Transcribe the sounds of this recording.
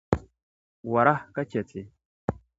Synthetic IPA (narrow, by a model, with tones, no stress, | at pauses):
wa˨ɾa˦hka˦t͡ʃe˨t͡si˨